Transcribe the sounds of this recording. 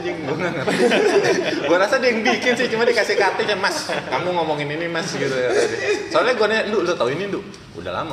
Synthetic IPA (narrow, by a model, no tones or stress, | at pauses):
diəŋɡuŋaŋət̪ | ɡuaɾasadijəŋbikɪnsɪht͡ʃumadikasɪhkat̪ɛɲamaskamuŋɔmɔŋɪninimasɡit̪ukat̪ad͡ʒasaalaɡanandʊʔlsat̪auinindʊʔ | ṵda̰hla̰ma